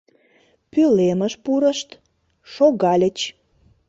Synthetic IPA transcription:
pyleməʃpuɾəʃt̪ | ʃoɣɑlʲət͡ɕ

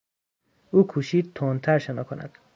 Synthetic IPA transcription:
ukʰuʃid̪̚t̪ʰɔnt̪ʰaɾʃenɔkʰona̰d̪̥

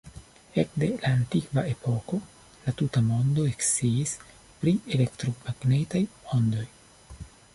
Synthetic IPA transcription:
e̞kde̞laːntikvae̞pʰo̞ko̞ | latutamo̞ndo̞e̞ksiːs | pɾiele̞ktɾomaɡne̞tajo̞ndo̞j

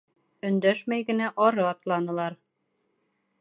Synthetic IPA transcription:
ɵ̆nd̪æʃmæjɡɘ̆næʔɒɾɤɑt̪lˠɑnɤ̆lˠɑɾ

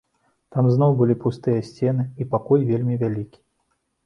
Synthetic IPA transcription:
t̪amznɔwbɨlʲipust̪ɨjɐsʲt͡sʲɛnɨipakɔjvʲelʲmʲivʲalʲikʲi̥

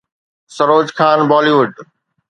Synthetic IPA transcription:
sɐɾoːd͡ʑkaːnbɔːliʋʊɖ

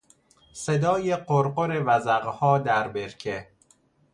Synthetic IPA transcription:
sed̪ɒːjeɢoɾɢoɾevæzæɣhɒːd̪æɾbeɾcʰe

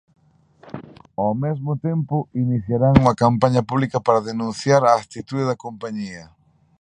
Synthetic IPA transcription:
awmezmʊt̪empʊiniθjaɾaŋuŋɐkampaɲɐpuβlikɐpaɾaðenũnθjaɾaːk̚t̪it̪uðeðɐkompaɲiɐ

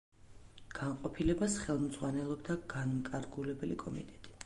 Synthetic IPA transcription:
ɡ̥anqʼɔpʰilɛbasχɛlˠmd̪z̥ʁwanɛlˠɔbd̪aɡ̥ankʼaɾɡulɛbɛlikʼɔmḭt̪ʼɛt̪ʼi̥

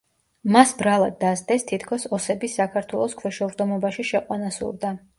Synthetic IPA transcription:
masbɾalˠad̪ːazd̪ɛst̪ʰit̪ʰkʰɔsɔsɛbisːakʰaɾt̪ʰwɛlˠɔskʰwɛʃɛuɾd̪ɔmɔbaʃiʃɛqʼwanasṵɾd̪a

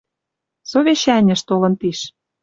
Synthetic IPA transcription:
soβeɕænʲɘ̆ʃt̪olɤ̆nt̪iʃ

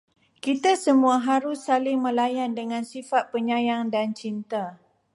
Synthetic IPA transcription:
kit̪asəmũaɦaɾʊsːalɪŋmə̃lajandəŋãnsifat̪̚pəɲãjaŋdant͡ʃint̪a

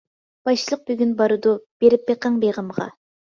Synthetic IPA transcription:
b̥ɑjʃɨlˠəq̚byɡʲynbɑɾud̪ub̥eɾɪp̚beqɑŋbeʁəmʁɑ̰

